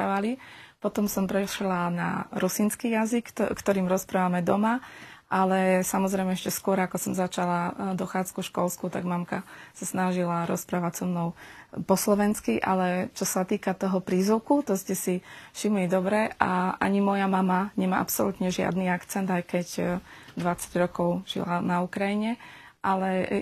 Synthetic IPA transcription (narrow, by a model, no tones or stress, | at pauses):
aʋalipɔt̪ɔmsɔmpɾɛʃlana̰ɾusinskijazikːt̪ɔɾiːmɾɔspɾaːʋamɛd̪ɔmaʔalɛsamɔzɾɛɪmɛɛʃcɛskʊɔɾakɔsɔmzat͡ʃalad̪ɔxaːt͡skufʃkɔlskut̪a̰ɡmamkasasnaʒilaɾɔ̰spɾaːʋacsɔmnɔʊpɔslɔʋɛnskiʔa̰lɛt͡ʃɔsat̪iːkat̪ɔɦɔpɾiːzuʊkut̪ɔscɛsifʃimlid̪ɔbɾɛaa̰ɲimɔjamamaɲɛmaːʔa̰psɔlut̪ɲɛʒɪa̰d̪niakt͡sɛnd̪ajkɛɟd̪ʋat͡saɟɾɔkɔʊʒ̥ḭlanaukɾajiɲɛ | ʔalɛ